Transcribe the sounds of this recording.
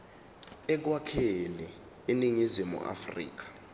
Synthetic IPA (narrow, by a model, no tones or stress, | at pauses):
ɛk̬wakʰeli | iniŋizimṵʔa̰frḭːk̬ḁ